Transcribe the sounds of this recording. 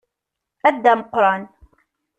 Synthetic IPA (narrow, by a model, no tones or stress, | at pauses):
ʔad̪ːamqʊɾˤɑn